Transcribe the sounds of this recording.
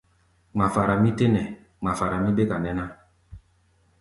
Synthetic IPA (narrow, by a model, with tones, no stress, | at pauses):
ŋ͡ma˨fa˨ɾa˨mĩ˦te˦nɛ˨ | ŋ͡ma˨fa˨ɾa˨mĩ˦be˦ka˨nɛ˦na˦